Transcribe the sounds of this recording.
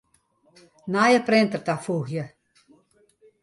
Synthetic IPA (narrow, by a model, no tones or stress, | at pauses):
najəprɪntərtafuːxjə